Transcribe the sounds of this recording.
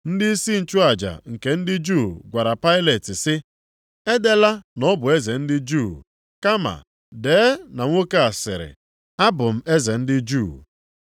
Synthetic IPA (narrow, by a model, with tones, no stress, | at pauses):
n̩˦dɪ˦i˦si˦n̩˨t͡ʃu˦a˨d͡ʒa̰˨ŋ̩˨ke˨n̩˦dɪ˦d͡ʒu˦˨ɡʷa˨ɾa˨pa˦ɪ˦le˨tɪ˨sɪ˦ | e˦de˦la˦nɔ˦bʊ˨e˦ze˨n̩˦dɪ˦d͡ʒu˦˨ | ka˦ma̰˨ | deː˨˦na˨ŋʷo˦ka˦a˨sɪ̰˨ɾɪ̰˨ | a˦bʊ˨m̩˦ʔe˦ze˨n̩˦dɪ˦d͡ʒu˦˨